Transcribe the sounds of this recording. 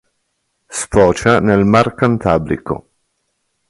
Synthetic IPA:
spɔːt͡ʃanelmarkant̪aːblḭko̰

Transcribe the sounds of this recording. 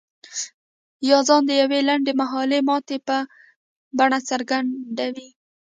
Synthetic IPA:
jɑzɑnd̪əjawelaɳɖemaɦɑlemɑt̪epə | baɳat͡səɾɡaɳɖawi

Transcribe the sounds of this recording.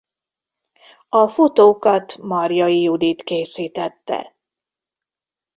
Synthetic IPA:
ɒfot̪oːkɒt̪mɒrjɒjiud̪it̪keːsiːt̪ɛt̪ːɛ̰

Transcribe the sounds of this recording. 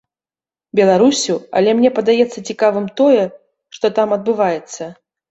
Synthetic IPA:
bʲɛlˠaɾusʲuɐ̰lʲɛmnʲɛpɐd̪ajɛt̪sːɐt͡sʲikavɨmt̪ɔjɛ | ʂt̪ɔt̪amɐd̪̚bɨvajɛt̪sːɐ

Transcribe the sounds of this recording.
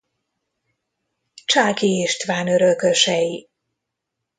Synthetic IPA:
t͡ʃaːkiːʃt̪ʋaːnøɾøkøʃɛji

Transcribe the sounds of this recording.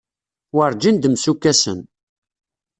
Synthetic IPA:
wəɾˤd͡ʒind̪əmsukːæsə̰n

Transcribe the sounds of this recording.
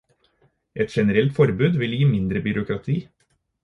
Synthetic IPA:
ʔɛt̪ʃɛnəɾɛlt̪fɔɾbʉːd̪ʋɪljiːmɪnd̪ɾəbʏɾʊkɾɑt̪ʰiː

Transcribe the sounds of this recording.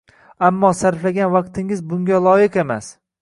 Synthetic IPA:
amːɒsaɾflaɡʲanvɑq̚t̪ʰɪŋɪzbʊŋɡʲalˠɒjɪqe̞ma̰s

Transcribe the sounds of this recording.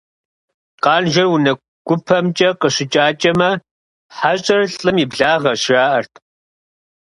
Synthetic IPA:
qɑːnʒɐrwʊnɐ | ɡ̥ʷʊpʰɐmt͡ʃʼɐqəɕɪt͡ʃʼaːt͡ʃʼɐmɐ | ħaɕʼɐrɬʼɨmibɮaːʁɐɕraːʔɐrtʰ

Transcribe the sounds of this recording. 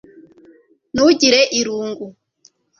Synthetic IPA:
nouɟiɾeʔiɾuːŋɡu

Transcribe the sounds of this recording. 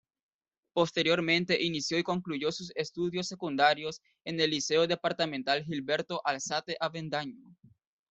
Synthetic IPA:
po̞st̪e̞ɾjo̞ɾmẽ̞nt̪e̞ʔinisjo̞iko̞ŋkluʝo̞suse̞st̪uðjo̞sːe̞kund̪aɾjo̞s | ene̞lːise̞oðe̞paɾt̪amẽnt̪alɦilβe̞ɾt̪oʔalsat̪eʔaβend̪aɲo

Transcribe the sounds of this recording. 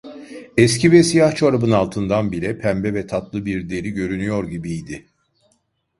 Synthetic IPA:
ɛscʰivɛsijaht͡ʃʰaɾabɯnalˠt̪ʰɯnd̪anbiɾɛpʰæmbɛvɛt̪ʰat̪lˠɯbiɾd̪e̞ɾiɟø̞ɾynyjo̞ɾɟibijd̪ɪ

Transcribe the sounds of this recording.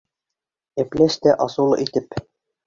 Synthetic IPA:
æplæst̪æʔɑsulˠit̪ɘp

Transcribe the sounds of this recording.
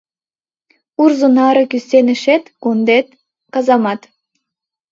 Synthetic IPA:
urzunɑɾɤ̆kysenɘ̆ʃet̪ɡ̥ond̪et̪̚ | kɑzɑmɑt̪

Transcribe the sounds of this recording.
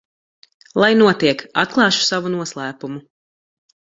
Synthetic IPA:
lˠajnuɔt̪iɛkat̪̚klˠɑːʃu̥savunuɔslˠæːpumu

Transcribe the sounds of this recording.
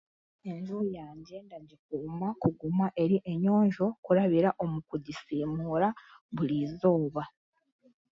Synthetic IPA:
e̞ɲʒuujaːɲɟe̞ndaɟik̚uːmakuɡumaʔe̞ɾiʔe̞ɲo̞ːɲʒo̞kuɾaβiɾaʔo̞mukuɟisiːmuɾaβuɾiːzo̞ːβa

